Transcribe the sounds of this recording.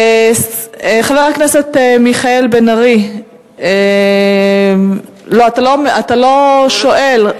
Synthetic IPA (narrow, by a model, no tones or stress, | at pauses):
χaveʁakneset̪emiχaelbenaʁi | e | loat̪alomat̪alo̞ʃo̞ʔel